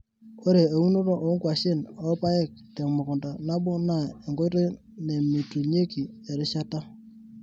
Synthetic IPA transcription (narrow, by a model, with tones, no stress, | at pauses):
o˦ɾe˨a˨u˦no˦ɾɔ˦ʔo˨˦ŋkwa˨ʃɪ˦˨nɔ˦pa˦ɛ˦˨k̚te˨ŋmʊ˨kʊ˨nda˨na˦bʊ˦na˦˨e˨ŋɡo˦ɾe˦ | ne˨mi˨tu˨ɲe˦ki˨ɛ˨ɾɪ˦ʃa˦ta˦